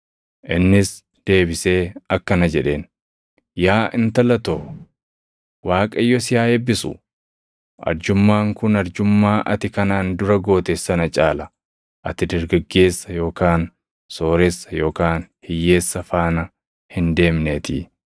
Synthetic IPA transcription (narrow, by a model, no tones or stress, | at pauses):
ʔɪnːɪs | d̪̥e̞ːbɪse̞ːɐkːɐnɐd͡ʒɛᶑe̞ːn | jaːʔɪnt̪ɐlɐt̪oː | waːkʼɐjːɔsɪjaːebːɪsʊ̰ | ʔɐ̰ɾd͡ʒʊmːaːŋkʊnɐɾd͡ʒʊmːaːʔɐt̪ɪkɐnaːnd̪ʊɾɐɡo̞ːt̪esːɐnɐt͡ʃʼaːlɐ | ʔɐt̪ɪd̪ɐɾɡɐɡːe̞ːsːɐjo̞ːkaːn | so̞ːɾɛsːɐjo̞ːkaːnhɪjːeːsːɐfaːnɐ | hɪnd̪e̞ːmneːt̪ɪ